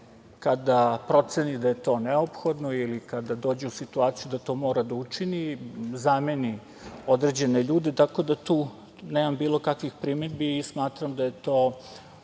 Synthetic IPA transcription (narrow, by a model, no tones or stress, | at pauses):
kad̪apɾo̞t̪senid̪aje̞t̪o̞ːneopxo̞d̪noilikad̪ad̪oːd͡ʑeusit̪uaːt̪sijud̪at̪o̞ːmo̞ːɾad̪aut͡ʂinizame̞ni | o̞d̪ɾe̞d͡ʑe̞ne̞ʎuːd̪et̪ako̞d̪at̪uː | neːmambiːlˠo̞kakʋixpɾimed̪biismaːt̪ɾamd̪aje̞t̪o̞ː